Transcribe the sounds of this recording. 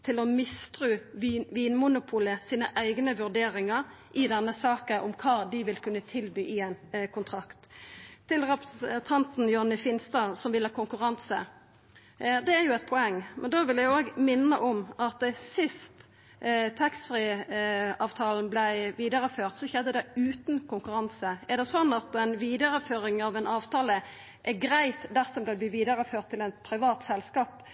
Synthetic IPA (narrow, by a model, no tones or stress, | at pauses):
t̪ʰɪlɔmɪst̪ʁʉːʋiːnmʊnʊpʰʊləsiːnəʔæɪɡnəʋʉʁd̪eːɾɪŋɑɾʔɪd̪ɛnːəsɑːkəʔɔmkʰɑːd̪ɪʋɪlkʰʉnːət̪ʰɪlbyːʔɪɛɪnkʰʊnt̪ʰʁɑkt̪ʰːɪlʁɛpəsənt̪ʰɑnt̪n̩jʊhɑnːəfɪnst̪ɑsɔmʋɪlhɑːkʊŋkʉʁɑnsə | d̪ɛæʁjʊɛɪt̪̚pʰɔɛŋːmʔɛnd̪oːʋɪljæɪoːɡmɪnːəʔɔmʔɑt̪̚d̪ɛsɪst̪ | t̪ʰɛkst̪fʁiː | ɑːʋt̪ʰɑːln̩blæɪʋiːd̪ɑɾəføːʁt̪sɔçɛd̪ːəd̪ɛʉːt̪nkʰʊŋkʉɾɑnsəɛd̪ɛsɔnːɑt̪ɛnʋiːd̪ɑɾəføːɾɪŋɑʋɛnɑːʋt̪ʰɑːlə | ʔɛɡɾæɪt̪d̪æsɔmb̪ɛbliːʋiːd̪ɑɾəføːʁt̪ʰːɪlɛnpʰɾɪʋɑːt̪sɛlskɑːp